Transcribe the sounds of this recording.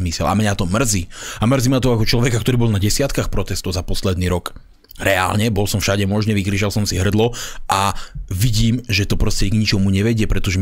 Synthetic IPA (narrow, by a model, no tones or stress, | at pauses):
misɛla̰mɲat̪ɔmr̩ziamr̩zimat̪ɔakɔt͡ʃlɔʋɛkakt̪ɔɾiːbɔlˠnaɟɛsɪat̪kaxpɾɔt̪ɛst̪ɔʊzapɔslɛd̪niːɾɔk | ɾɛa̰ːlɲɛbɔlsɔmfʃaɟɛmɔʒɲɛʋikɾiʒalsɔmsiɦr̩d̪lɔʔaʋiɟiːmʒɛt̪ɔpɾɔscɛɡɲit͡ʃɔmuɲɛʋɛɟɪɛpɾɛt̪ɔʒɛ